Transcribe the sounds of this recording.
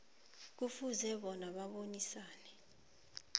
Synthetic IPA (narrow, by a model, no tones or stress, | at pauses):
k̬ufuzɛɓɔnaɓaɓonisaːnɛ